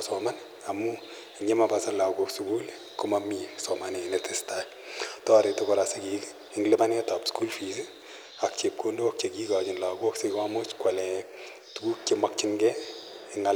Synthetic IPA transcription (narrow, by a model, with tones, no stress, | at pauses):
sɔma˦n | a˨mu˦ | ɲe˦ma˨pasa˦nla˨koksuku˦l | kʊ˦mami˨sɔmanenetɪsta˦ | tɔ˦˨ɾe˨tʊkɔ˨ɾase˦kik | ɪŋɡlɪ˦ma˦ne˦ta˨psku˦lfi˨s̬i | a˨k̚t͡ʃe˨p̚kʰondo˦ak̚t͡ʃe˨ki˦ka˨t͡ʃɪ˨nla˨ko˦ksekmamo˦t͡ʃkwa˨lɛ˨ | tuku˦k̚t͡ʃemak̚t͡ʃɪŋɡɛɪŋa